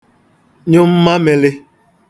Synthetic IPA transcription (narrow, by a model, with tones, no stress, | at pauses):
ɲʊ˦m̩˦ma˦me˨lɪ˦